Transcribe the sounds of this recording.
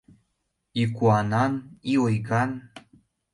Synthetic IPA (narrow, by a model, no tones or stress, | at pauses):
ikuɑnɑniojɡɑn